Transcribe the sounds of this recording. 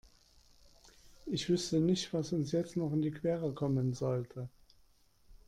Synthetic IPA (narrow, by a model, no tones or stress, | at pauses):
ʔɪçv̥ʏstənɪçtv̥asʊnsjɛt͡stnɔχɪndiːkʰv̥ɛːʁəkʰɔmənzɔltʰə